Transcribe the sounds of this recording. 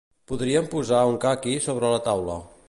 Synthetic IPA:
puðɾiəmpuzauŋkakisoβɾələt̪awlə̰

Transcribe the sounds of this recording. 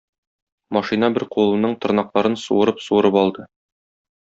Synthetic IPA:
mɒʃinɑbɘɾqulˠɤ̆nːɤɴt̪ŏɾnɑqlˠɑɾɤnsṵɤ̆ɾɤpsuɤ̆ɾɤpɒlˠd̪ɤ

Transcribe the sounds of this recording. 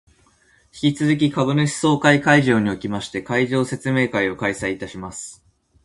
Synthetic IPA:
çi̥kʲit͡sɨzɨk̬ʲikaβɯ̟nɯɕi̥so̞ːkaikaiʑo̞ːɲ̟io̞kʲimaɕi̥t̪e̞kaiʑo̞ːse̞t͡sɨme̞ːkaio̞kaisaiːt̪aɕimasɨ̥

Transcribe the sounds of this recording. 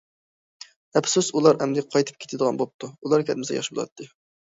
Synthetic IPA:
ɛpsusulˠɑɾɛmd̪ɪqʰɑjt̪ʰɨ̥p̚kʲe̥t̪ʰɪd̪əʁɑ̰nbop̚t̪ʰuulˠɑɾkʲʰɛd̪mɪsɛjɑ̰ʃbolˠɑ̰t̪ʰːɨ

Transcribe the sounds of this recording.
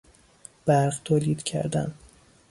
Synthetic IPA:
b̥æɾʁt̪ʰoːliːd̪cʰæ̰ɾd̪æ̰n

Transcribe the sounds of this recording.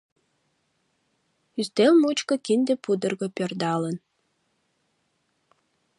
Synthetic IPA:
yst̪elmut͡ɕkŏkind̪epud̪ərɣəpørd̪ɑlən

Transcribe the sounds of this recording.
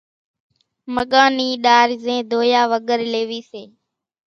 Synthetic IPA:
məɠaːniːɗaːɾzẽːd̪ʱoːjaːʋəɠəɾleːʋiːseː

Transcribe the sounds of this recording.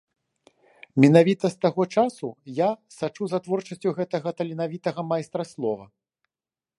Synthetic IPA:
mʲinavʲit̪ɐst̪aɣɔt͡ʂasujasat͡ʂuzɐt̪vɔrt͡ʂɐsʲt͡sʲuɣɛt̪ɐɣɐt̪ɐlʲinavʲit̪ɐɣɐmajst̪ɾɐslˠɔvɐ̰

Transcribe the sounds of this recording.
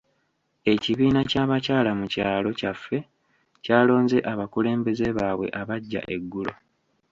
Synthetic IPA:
e̞ciβiːnacaːβacaːlamucaːlo̞cafːe̞ | caːlo̞ːnze̞ʔaβakule̞ːmbe̞ze̞βaːβwe̞̰ʔaβaɟːa̰ʔe̞ɡːulo̞̰

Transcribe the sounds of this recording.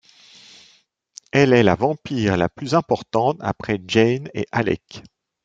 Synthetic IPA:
ɛlɛlavɑ̃piʁlaplyzɛ̃pɔʁt̪ɑ̃t̪a̰pχɛʒɛnḛʔalɛ̰k

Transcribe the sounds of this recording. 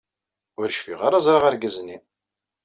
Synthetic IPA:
ʊɾʃfiʁaɾazˤɾˤɑʁəɾɡæzni

